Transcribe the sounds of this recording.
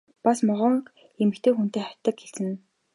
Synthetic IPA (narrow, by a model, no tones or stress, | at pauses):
pasmɔʁɞ̆ɴ | emɘ̆kt̪ʰeːxun̥t̪eːχat̪ːə̆kxeɮt͡sɘ̆n